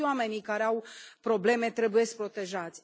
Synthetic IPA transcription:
wame̞nikaɾeawpɾo̞ble̞me̞t̪ɾe̞buje̞sk̚pɾo̞t̪e̞ʒat̪sʲ

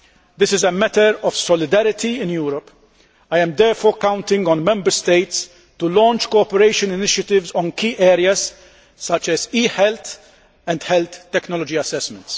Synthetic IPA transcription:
d̪ɪsɪzɛmɛt̪əɾɔv̥sɔlɪd̪æɾɪt̪ʰiɪ̃njuːɾɔp | ɐjɛ̃md̪ɛːɾfɔːɾkãw̃nt̪ɪ̃ŋɡɔ̃nmɛ̃mbəɾst̪eɪt̪s | t̪ulɔ̃ːnt͡ʃkoɔpɛɾeɪʃə̃nɪnɪʃjɐt̪ɪvzɔ̃nkiːʔɛːɾiɐz | sɐt͡ʃɛziːħɛlt̪ | ɛ̃nd̪hɛlt̪ːɛknɔlɔd͡ʒiɐsɛsmɛ̃nt̪s

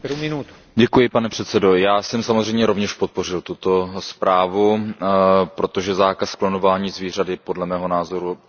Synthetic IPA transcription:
ɾumɪnut̪ | ɟɛkujɪpanɛpr̝̥ɛt̪sɛdo̞jaːsɛmsamozrɛjmɲɛɾo̞vɲɛʃpot̪̚po̞r̝ɪlt̪ut̪o̞spɾaːvu | pɾo̞t̪oʒɛzaːkasklonovaːɲiːzviːr̝adɪpo̞dlɛmɛːɦo̞naːzo̞ɾu

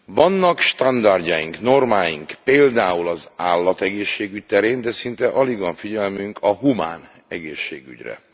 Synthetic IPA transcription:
vɒnːɒkʃt̪ɒnd̪ɒrɟɒjḭŋkno̞rmaːjiŋkpeːld̪aːulɒzaːlːɒt̪ɛɡeːʃːeːɡyc̚t̪ɛɾeːnd̪ɛsint̪ɛʔɒliɡʋɒɱfiɟɛlmyŋkʰɒɦuma̰ːn | ɛɡeːʃːeːɡy̰ɟrɛ̰

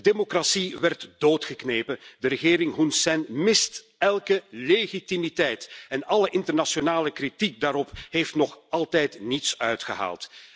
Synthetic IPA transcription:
demokrasiʋɛrtd̥oːtxəkneːpəndəɾəɣɪːɾɪŋɦunsɛnmɪst | ɛlˠkəleɣitimitɛjtɛnɑləʔɪntərnasonaːləkritik̚daːɾɔpheftnɔχɑlˠtɛjtnitsœɥtxəɦa̰ːlˠt

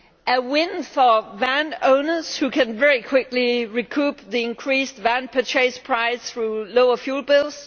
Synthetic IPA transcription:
ʔəwɪ̃nfəvæ̃nõʊnəshukʰæ̃nvɛɹikʰw̥ɪkliɹikʰupðiɪ̃nkʰɹ̥isdvæ̃npʰətʰɹeɪspʰɹ̥aɪsθɹuloʊəfjuːl̚ˠbɪlˠs

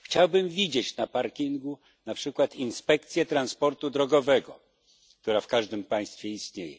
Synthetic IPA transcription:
xt͡ɕawbɘmvʲid͡ʑet͡ɕnapaɾkʲiŋɡu | napʂɘkwat̪inspɛkt̪sʲjɛt̪ɾanspɔɾt̪ud̪ɾɔɡɔvɛɡɔ | k̚t̪uɾafkaʐd̪ɘmpãj̃st̪fʲjɛist̪ɲejɛ̰

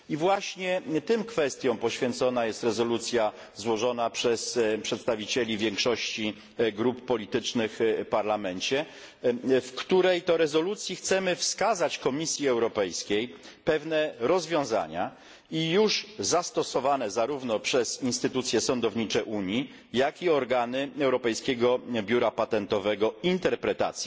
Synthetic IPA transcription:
ivwaɕɲɛt̪ɘmkfɛst̪ʲjɔ̃w̃pɔɕfʲjɛnt̪sɔnajɛst̪ɾɛzɔlut̪sʲja | zwɔʐɔnapʂɛspʂɛt̪st̪avʲit͡ɕɛlʲivʲjɛŋkʂɔɕt͡ɕi | ɡɾupːɔlʲit̪ɘt͡ʂnɘxpaɾlamɛnt͡ɕɛ | fkt̪uɾɛjt̪ɔɾɛzɔlut̪sʲjixt̪sɛmɘfskazat͡ɕkɔmʲisʲjiɛwɾɔpɛjskʲej | pɛvnɛɾɔzvʲjɔ̃w̃za̰ɲa̰ | ijuʐzast̪ɔsɔvanɛzaɾuvnɔpʂɛzinst̪ɘt̪ut̪sʲjɛsɔnd̪ɔvɲit͡ʂɛʔuɲji | jakiɔɾɡanɘɛwɾɔpɛjskʲeɡɔbʲjuɾapat̪ɛnt̪ɔvɛɡɔint̪ɛɾpɾɛt̪a̰t̪sji

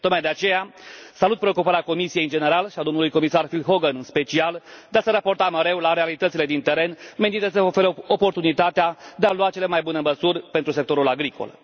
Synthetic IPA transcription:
t̪ok̪majd̪e̞at͡ʃe̞jasalut̪̚pɾe̞o̞kupaɾeako̞misije̞jɨnd͡ʒe̞ne̞ɾalʃiad̪o̞mnulujko̞misarfilɦo̞ɡənɨnspe̞t͡ʃiald̪easəɾapo̞rt̪aməɾe̞wlaɾealit̪ət̪sile̞d̪int̪e̞ɾe̞nme̞nint̪əsəofe̞ɾəopo̞rt̪unit̪at̪ead̪ealuat͡ʃe̞le̞majbuneməsurʲpe̞nt̪ɾuse̞k̚t̪o̞ɾulaɡɾiko̰l

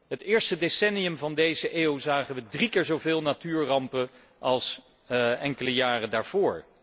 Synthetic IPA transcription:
ɦətɪːɹstədesɛnijəmvɑndejzəʔeːwzaːχənʋədrikɪːɹzowvɪːlˠnatyːɹrɑmpə | ʔɑlˠs | ɛŋkələjaːrədaːɹv̥ʊːɹ

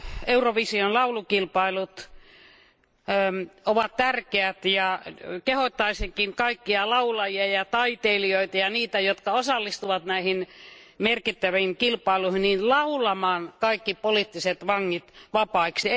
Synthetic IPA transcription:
euroʋisionlɑulukilpɑilut̪ | oʋɑt̪t̪ærkeæt̪jɑkehot̪ːɑisikiŋkɑikːiɑlɑulɑjiɑjɑt̪ɑit̪eilioit̪ɑjɑniːt̪æjot̪kɑosɑlːist̪uʋɑt̪næihinmerkit̪ːæʋiiŋkilpɑiluhinninlɑulɑmɑːnkɑikːipoliːt̪ːiset̪ʋɑŋːit̪ʋɑpɑiksi

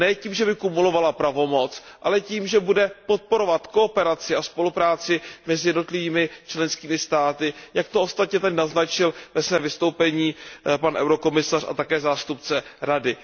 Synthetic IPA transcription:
nɛciːmʒɛbɪkumulo̞valapɾavo̞mo̞t͡sʔalɛciːmʒɛbudɛpo̞t̪̚po̞ɾo̞vat̪ko̞opɛɾat͡sɪaspo̞lupɾaːt͡sɪmɛzɪjɛdno̞t̪lɪviːmɪt͡ʃlɛnskiːmɪst̪aːt̪ɪjakt̪oʔost̪at̪ɲɛt̪adɪnaznat͡ʃɪlvɛsvɛːmvɪst̪owpɛɲiːpanʔɛ̰wɾoko̞mɪsara̰t̪akɛːzaːst̪upt͡sɛɾadɪ

